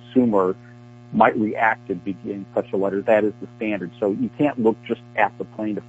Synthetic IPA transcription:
sʉmə˞ | maɪʔ̚ɹiʔæk̚tɨd̚bɨɡɪ̃ŋspʰɛʃl̩ˠlɛɾə˞ðɨɾɨzðəstæ̃ndə˞d̥soʊjɨkʰæ̃nʔlʊk̚d̥ʒ̥ʌstɨt̪̚ðəpʰl̥ẽɪ̃ntɨ

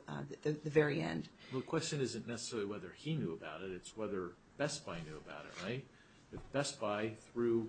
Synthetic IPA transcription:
ððɨðɨvɛɹiɛ̰̃nd̥wɛlˠðkʰw̥ɛst͡ʃɨ̃nɪzɨ̃nːɛsə̥sɛɹl̩ˠiwɛðə˞injʉəbaʊɾɨɾɨtswɛðə˞ | b̥ɛsb̥aɪnjʉəba̰ʊɾɨ̰ʔ̚ɹaɪt̚ | ɨtb̥ɛsb̥aɪθɹʉ

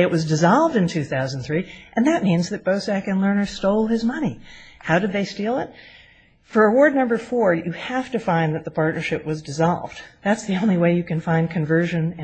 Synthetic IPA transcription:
ɨʔ̚wʌzdɨzɑlˠvdɨ̃ntʰʉθaʊz̃n̩θɹiʔɨ̃nðɨt̚mĩnzðɨt̚b̥oʊsækɨ̃nlɜ̃˞nə˞stoʊlˠɨzmʌnihaʊɾɨd̪̚ðeɪstilˠɪt̚ | fə˞əwɔɹdⁿnʌ̃mbə˞fɔɹjɨhæftɨfãɪ̃nðɨt̪̚ðəpʰɑɹtⁿnə˞ʃɪp̚wʌzdɨzɑ̰lˠvd̚ðætsðiõʊ̃nliweɪjɨkɨ̃nfãɪ̃nkʰɨ̃ɱvɜ˞ʒɨ̃nɨ̃

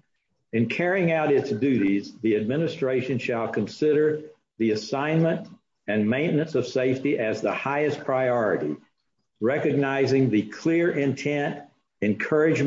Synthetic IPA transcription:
ɨ̃nkʰɛɹiɪ̃ŋaʊɾɪtsd̥ʉɾizðiɨd̚mɪ̃nɨstɹ̥eɪʃɨ̃nʃəlˠkʰɨ̃nsɪɾə˞ | ðiɨsãɪ̃nmə̃nt | ɨ̃nmẽɪ̃nʔnɨ̃nsʌv̥seɪftiʔɨzðəhaɪɨspʰɹ̥aɪɔɹɨɾḭ | ɹɛkɨɡ̚naɪzɪ̃ŋðɨkʰl̥ɪɹʔɪ̃ntʰɛ̃nt | ɨ̃nkʰɜ˞ɨd͡ʒ

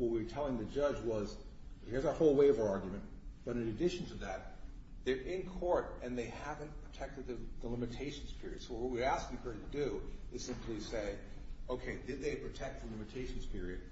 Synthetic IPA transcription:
wʌt̚wiə˞tʰɛlˠɪ̃ŋðɨd͡ʒʌd͡ʒwʌz | hɪɹzə˞hoʊlˠweɪʌvɑɹɡjmɨ̃nt | b̥ʌɾɨ̃nɨdɪʃn̩tʰɨðɨt̪̚ | ðə˞ʔɪ̃nkʰɔɹɾɨ̃nðeɪhævɨ̃npʰɹ̥ɨtʰɛk̚tɨd̪̚ðɨðəlɪ̃mɨtʰeɪʃn̩z̥pʰɪɹḭɨd̥soʊwʌt̚wʌt̚wiɨɾæskɨkʰɜ˞iɾɨdɨɨz̥sɪ̃mpʰliseɪoʊkʰeɪdɨd̪̚ðeɪpʰɹ̥ɨtʰɛk̪̚ðəlɪ̃mɨtʰeɪʃn̩z̥pʰɪɹiɨd̥̚

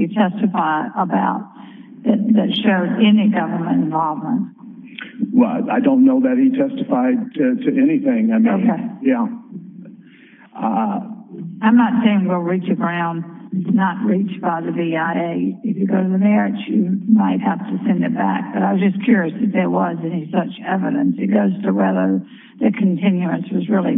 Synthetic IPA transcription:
hɨtʰɛstɨfaɪɾəbaʊt̪̚ | ðɨt̪̚ðɨtʃoʊzɛniɡʌvə˞mɨ̃ñtɨ̃ɱvɑlˠvmə̰̃nt̚ | wɛ̰laɪdõʊ̃nːoʊðɨt̚hitʰɛstɨfaɪd̚tɨtʰɨʔɛniθɪ̃ŋaɪmioʊkeɪjæ | ʌ | ãɪ̃mnətseɪɪ̃ŋɡoʊlˠɹit͡ʃɨɡɹãʊ̃nɨsnət̚ɹit͡ʃb̥aɪðɨviaɪeɪɨfjɨɡoʊɾɨðɨmɛɹɪt͡ʃjɨmaɪt̚hæftɨsɛ̃ndɨt̚b̥æ̰k̚b̥ʌɾaɪwʌzd͡ʒʌskʰj̥ʊɹiɨsðɨt̪̚ðəwʌzɛnisʌt͡ʃɛvɨɾɨ̰̃nsɨt̚ɡ̥oʊz̥tʰɨwɛðə˞ | ðɨkʰɨ̃n̩tʰɪ̃njʉɨ̃nswʌzɹɪlˠḭ

